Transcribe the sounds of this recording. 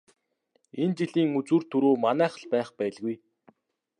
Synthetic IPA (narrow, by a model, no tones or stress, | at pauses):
ent͡ɕiɮiːŋut͡sŭːr̥t̪ʰːɵɾoːmanæːχə̆ɮpæːχpæːɮɣuj